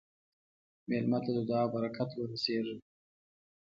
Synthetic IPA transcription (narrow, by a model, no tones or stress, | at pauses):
melmat̪ad̪əd̪ɑbaɾakʰat̪wəɾaseʐi